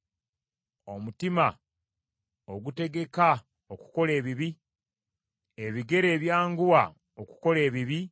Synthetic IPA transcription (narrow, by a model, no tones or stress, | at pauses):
o̞mutima | oɡute̞ɡe̞ka | oku̥ko̞le̞ːβiβi | eβiɡe̞ɾe̞ːβjaːŋɡuwa | oku̥ko̞le̞ːβiβi